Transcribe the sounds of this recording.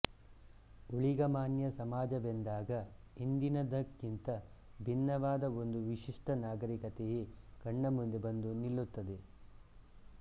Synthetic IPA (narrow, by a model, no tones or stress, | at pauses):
uɭiɡɐmaːnjɐsɐmaːd͡ʒɐbend̪aːɡɐ | ind̪inɐd̪ɐkːint̪ɐ | bʱinːɐʋaːd̪ɐond̪uʋiʂiʂʈɐnaːɡɐɾikɐt̪ejekɐɳːɐmund̪ebɐnd̪unilːut̪ːɐd̪e